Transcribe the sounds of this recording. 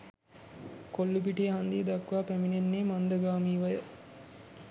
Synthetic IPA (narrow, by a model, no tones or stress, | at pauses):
kolːubiʈijeɦɐnd̪id̪ɐkːʋaːpæminenːeːmɐnd̪ɐɡaːmiːʋɐjə